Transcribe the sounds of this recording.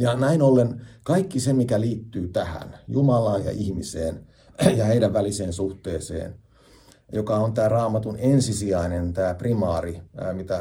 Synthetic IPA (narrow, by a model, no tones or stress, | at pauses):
jɑnæinolːenkɑikːisemikæliːt̪ːyːt̪æhæ̰njumɑlɑːjjɑ̰ʔihmisḛːn | jɑheidæʋːæliseːnsuht̪eːsḛːn | jokɑont̪æːrɑːmɑt̪unensisiæinent̪æːprimɑːrimit̪æ